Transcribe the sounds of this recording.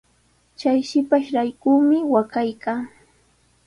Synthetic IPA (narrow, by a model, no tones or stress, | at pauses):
t͡ʃajʃɪpaʃɾajkuːmɪwakajkaː